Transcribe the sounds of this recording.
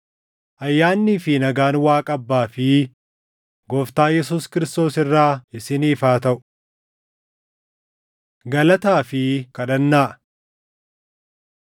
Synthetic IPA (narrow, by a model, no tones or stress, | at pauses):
ʔɐjːaːnːiːfɪnɐɡaːnwaːkʼɐbːaːfɪ | ɡɔft̪aːjɛs̬uːskɪɾɪst̪o̞ːsɪrːaːɪsɪniːfaːt̪ɐʔʊ̥ | ɡɐlɐt̪aːfɪkɐᶑɐnːaːʔ